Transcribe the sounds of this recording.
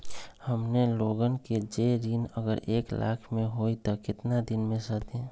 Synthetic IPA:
həmneloɡənked͡ʒeɾinəɡəɾeːklʔa̰ːkʰmẽɦoit̪ɔkɪt̪nad̪ɪnmẽsət̪ẽ

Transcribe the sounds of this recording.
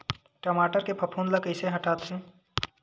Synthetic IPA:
ʈəmaːʈəɾkepʰəpʰuːnləkəɪseɦɐʈaːt̪sẽ

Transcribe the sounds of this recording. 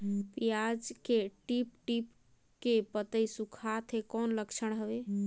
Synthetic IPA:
pijad͡ʒkeʈip̚ʈip | kepət̪əjsukʰat̪ʰekɔnləkt͡ʃʰəɳ̃ɦəbe

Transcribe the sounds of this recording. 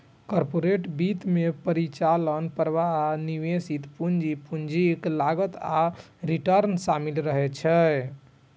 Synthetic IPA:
kɔɾpoɾeʈbit̪mepəɾit͡ʃalənpəɾʋaniʋesit̪pund͡ʒipund͡ʒiklaɡət̪a | ɾiʈəɾnsamilɾəɦɛt͡ʃʰɛ

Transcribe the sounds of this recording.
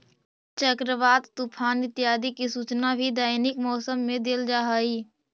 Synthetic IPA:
t͡ʃəkɾəʋaːd̪t̪upʰaːnɪt̪ːɪjaːd̪ikisuːt͡ʃnabʱid̪aːɪnikmɔːsəmːẽd̪eld͡ʒaːɦaːiː

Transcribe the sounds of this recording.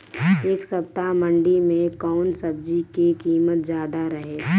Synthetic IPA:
eːksɐp̚t̪amə̃ɳɖimẽkɔːnsəb̚d͡ʒikikiːmət̪̚zjaːd̪aɾəɦeː

